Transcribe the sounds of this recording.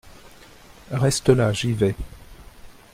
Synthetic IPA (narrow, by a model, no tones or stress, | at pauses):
ʁɛst̪əlaʒivɛ